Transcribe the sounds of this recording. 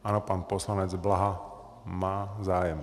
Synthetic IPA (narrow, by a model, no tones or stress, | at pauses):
ʔanɔpaːnpɔslaɲɛd͡zblaɦa | maːzaːjɛm